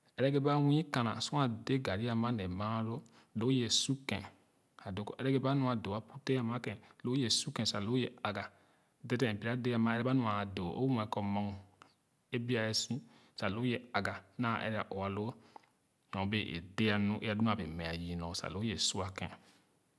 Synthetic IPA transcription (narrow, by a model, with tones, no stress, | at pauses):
ɛ˦ɾɛ˦ɡe˦ba˦wĩ˦kã˨nã̰˨sũ˦ã˨de˦ɡa˨ɾi˦a˦˨mã˦nɛ˨mã˦lo˦ | lo˦je˨su˦kɛ̰̃˨ | a˨do˨˦kʔɛ˦ɾɛ˦ɡe˦ba˦nũ˦a˨do˨a˦pu˦te˦a˦mã˦kɛ̃˨lo˦je˨su˦kɛ̃˨sa˨lo˦je˦˨a˨ɡa˨ | de˦tɛ̃˨pi˦a˦de˦a˨mã˦ɛ˦ɾɛ˦ba˦nũ˨a˨do˨ʔo̰˦wũ˦ɛ˨˦kɔ˨mɔ̃˦ŋ | e˦bi˦a˨ɛ˦sĩ˦ | sa˨lo˦je˦a˨ɡa˨nã˦˨ʔɛ̰˦ɾɛ˦a˨ʔo˨a˨lo˦ | jɔ̃˨˦be˦˨ʔḛ˨de˦a˨nũ˦ʔe˦a˨du˦nũ˦a˨be˨mɛ̃˨a˨ji˨nɔ̃˨˦sa̰˨lo˨˦je˨su˦a˨kɛ̰̃˨